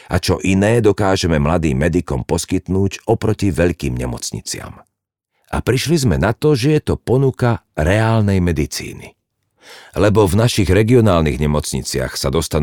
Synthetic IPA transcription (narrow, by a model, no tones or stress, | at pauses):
ʔat͡ʃɔʔinɛːd̪ɔkaːʒɛmɛmlad̪iːmːɛd̪ikɔmpɔskit̪nuːɟɔpɾɔciʋɛʎkiːmɲɛmɔt͡sɲḭt͡sɪa̰m | ʔa̰pɾiʃlizmɛnat̪ɔʒɛjɛt̪ɔpɔnukaɾɛaːlnɛjmɛd̪it͡sḭːnḭ | lɛbɔvnaʃiɣɾɛɡiɔnaːlniɣɲɛmɔt͡sɲḭt͡sɪa̰xsad̪ɔst̪an